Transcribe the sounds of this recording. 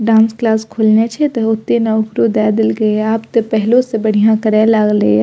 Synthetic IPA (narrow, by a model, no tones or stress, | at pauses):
ɖãnsklaskʰulnet͡ʃʰɛt̪ɔot̪ːenaʊkɾod̪ɛd̪elɡəapt̪ɔpəɦlosẽbəɽ̤ijãkəɾɛlaɡlɛ̰